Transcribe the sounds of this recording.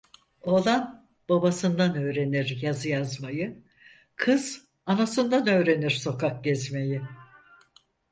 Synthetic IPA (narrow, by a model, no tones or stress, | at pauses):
o̞lˠan | b̥abasɯnd̪anø̞ːɾe̞niɾjazɯjazmajɯ | kʰɯz̥ | anasɯnd̪anø̞ːɾe̞niɾso̞kʰak̚ɟɛzme̞ji